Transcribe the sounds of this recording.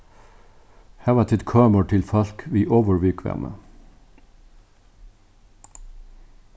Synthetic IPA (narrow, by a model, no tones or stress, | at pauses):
hæːʋɑːt̪ʰɪt̪kʰøːməʈʰɪlfɑlkʋiːʔoːʋəɹʋiːkʰʋæ̰ʁmʔə̰